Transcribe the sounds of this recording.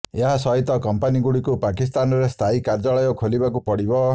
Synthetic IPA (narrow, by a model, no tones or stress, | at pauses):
eɦasɔɦit̪ɔkɔmpaniɡuɽikupakist̪anɔɾest̪ʰaikaɾd͡ʒɔɭɔjɔkʰolibakupɔɽibɔ